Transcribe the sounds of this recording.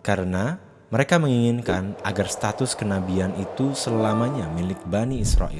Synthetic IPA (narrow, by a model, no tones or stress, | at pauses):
kaɾəna | məɾekaməŋiŋɪnkanaɡarst̪at̪ʊskənabianʔit̪usəlamaɲamilɪk̚baniɪsɾa̰ʔḭl